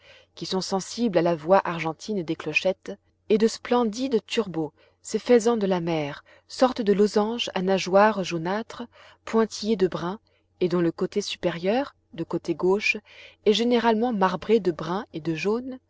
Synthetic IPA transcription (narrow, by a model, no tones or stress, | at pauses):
kʲisɔ̃sɑ̃siblalavwaʔaʁʒɑ̃t̪ʰind̪eklɔʃɛt̪ | ɛd̪əsplɑ̃d̪id̪t̪yʁbo | sefɛzɑ̃d̪əlamɛːʁ | sɔʁt̪d̪əlozɑ̃ʒa̰naʒwaʁʒonat̪χə | pwɛ̃t̪ijed̪əbʁɛ̃ | ed̪ɔ̃ləkot̪esypeʁjœʁ | d̪əkot̪eɡoʃɛʒeneʁalmɑ̃maʁbʁed̪əbʁɛ̃ed̪əʒon